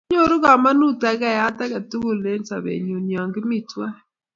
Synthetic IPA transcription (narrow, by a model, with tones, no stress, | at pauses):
ɲo˦˨ɾʊ˦ɡa˨ma˦nu˦ta˨ka˦˨ja˦ta˦ka˨tu˦ɡo˦le˦nsa̰˨bḛ˨ɲu˨njɔ˨ŋɡɪ˦mi˨twa˦